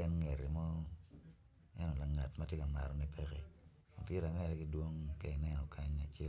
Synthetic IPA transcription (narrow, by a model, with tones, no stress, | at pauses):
ɛ˦nŋe˨ɾe˨mɔ˦ | ɛ˦nɔ˨la˨ŋa˨tma˦tje˦ka˨ma̰˨ɾɔ˨nɛ˦pʰe˦ke˦ | o˨pje˦ɾa˨mɛ˦ɾɛ˦ki˦dwo˦ŋke˦ɪ˨nɛ˦nɔ˨kʰa˦ɲa˨t͡ʃe˦l